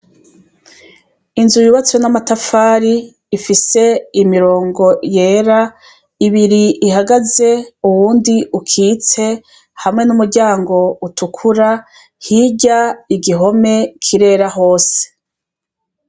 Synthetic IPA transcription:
inzujuβat͡swenamatafaːɾiː | fise̞imiɾo̞ːŋɡo̞je̞ːɾa | iβiɾiʔiɦaɡaze̞uwuːndiʔukʰiːt͡se̞ | hamŋe̞numuɾɟaːŋɡo̞utʰukʰuɾa | hiɟaiɡiɦo̞me̞kʰiɾe̞ːɾaɦoːse̥

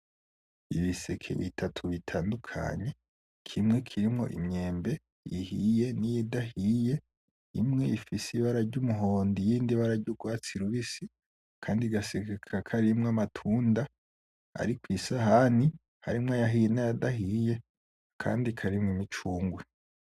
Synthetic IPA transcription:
iβisekʰḛβḭtʰatʰuβitʰaːndukʰa̰ɲe̞ | kʰimŋe̞kʰiɾimŋo̞̰ʔḭmɲe̞ːmbe̞ | ihije̞nijidahije̞ | imŋe̞ifisiβaɾaɾɟumuɦo̞ːndijiːndiβaɾaɟuɡwaːt͡siɾuβisi | kʰaːndiɡasekekʰakʰaɾimŋamatʰuːnda | a̰ɾikwisaɦani | ha̰ɾimŋajaɦijenajadaɦije̞ | kʰa̰ːndikʰaɾimŋimit͡ʃuːŋɡwe

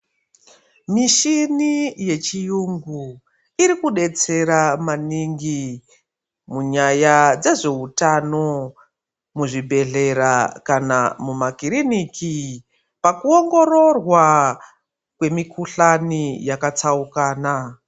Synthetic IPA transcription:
miʃinije̞t͡ʃijuŋɡu | iɾikuɗe̞t͡se̞ɾamaniŋɡi | muɲajad͡ze̞ʐe̞utano̞ | muʐibʱe̞ɮe̞ɾakana̰mumakiɾinikʰi | pakuo̞ŋɡo̞ɾo̞rwa | kwe̞mikuɬanijakat͡saukaːna

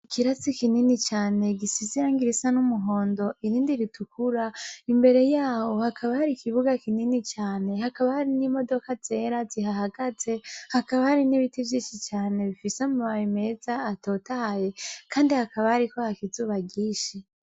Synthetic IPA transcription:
ikʰiɾat͡sikininit͡ʃaːne̞ɡisiziɾaŋɡiɾisanumuɦo̞ːndo̞ʔiɾiːndiɾitʰukuɾaimbe̞ɾe̞jaːwo̞hakʰaβahaɾikʰiβuɡakininit͡ʃaːne̞hakaβahaɾinimo̞do̞kat͡se̞ɾazihaɦaɡaze̞hakaβahaɾiniβitivjiːʃit͡ʃaːne̞βifisemuβawime̞zaːto̞taaje̞kaːndihakaβahaɾikohakizuːβaɡiːʃi

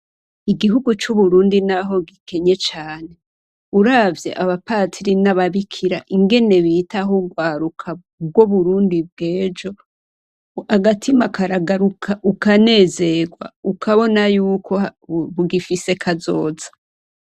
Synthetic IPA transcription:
iɡiɦuɡut͡ʃuβuɾuːndinaɦo̞ɡike̞ɲe̞t͡ʃaːne̞ | uɾavje̞̰ʔaβapaːtʰiɾinaβaβikʰiɾa̰ʔiŋɡe̞ne̞βiːtaɦuɡwaːɾukʰa | bɡwoβuɾuːndib̚ɡe̞ːd͡ʒo̞ | aɡatʰimakaɾaɡaɾukʰaʔukane̞ːze̞ɡwa̰ukʰaβo̞najuːkʰoβuɡifise̞kʰazo̞̰ːzḁ

